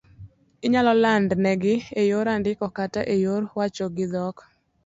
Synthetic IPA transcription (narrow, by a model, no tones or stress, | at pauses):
ɪɲalɔlandnɛɡɪejoɾandɪkɔkataʔejoɾwat͡ʃɔɡɪd̪ɔk